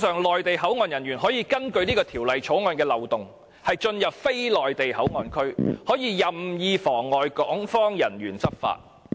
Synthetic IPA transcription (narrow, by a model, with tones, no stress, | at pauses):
sœː˨ŋlɔː˨jt̪e˨jɦɐ˨˥wŋɔː˧njɐ˨˩nɥyː˨˩nɦɔː˨˥jiː˧kɐ˥nkɵ˧ɥniː˥kɔː˧t̪ʰiː˨˩wlɐ˨jt͡ʃʰo˨˥wŋɔː˧nkɛː˧lɐ˨˩wt̪ʊ˨ŋ | hɐ˨jt͡ʃɵ˧njɐ˨p̚fe˥jlɔː˨jt̪e˨jhɐ˨˥wŋɔː˧nkʰɵ˥ɥhɔː˨˥jiː˨˧jɐ˨˩mjiː˨˧fɔː˨˩ŋːɔː˨jkɔː˨˥ŋfɔː˥ŋjɐ˨˩nɥyː˨˩nt͡sɐ˥p̚fa̰ː˧t̚